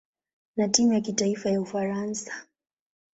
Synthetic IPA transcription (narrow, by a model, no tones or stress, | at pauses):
natimujakitaifajaufaɾansḁ